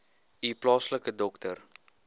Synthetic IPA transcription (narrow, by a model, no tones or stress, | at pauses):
iplɑːsləkədɔktər